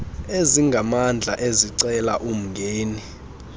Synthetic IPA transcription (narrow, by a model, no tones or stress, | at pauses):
eziŋɡʱamand͡ɮʱaʔeziǀɛlaʔum̩ŋɡʱeːni